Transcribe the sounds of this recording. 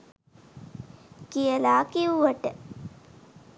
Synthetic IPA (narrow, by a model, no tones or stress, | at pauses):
kijəlaːkiuʋəʈə